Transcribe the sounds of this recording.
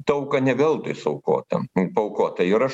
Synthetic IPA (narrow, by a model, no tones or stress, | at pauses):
t̪ɐʊkɐnʲɛʋʲɛlˠt̪ojsɐʊko̰ːt̪ɐ̰pɐʊkoːt̪ɐɪɾɐʃ